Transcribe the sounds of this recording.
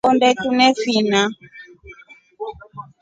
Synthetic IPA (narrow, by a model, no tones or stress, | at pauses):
ɔndɛtunɛfina